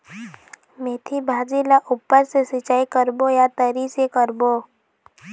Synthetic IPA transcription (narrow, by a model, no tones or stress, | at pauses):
meːt̪ʰibʱaːd͡ʒilaʔʊpːəɾsesɪt͡ʃaːikəɾbojat̪əɾisekəɾboː